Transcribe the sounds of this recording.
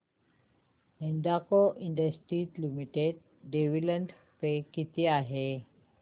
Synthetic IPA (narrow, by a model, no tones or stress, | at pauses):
end̪akoʔind̪əsʈɾit̪limiʈed̚ː | eʋilənd | pekit̪iaɦe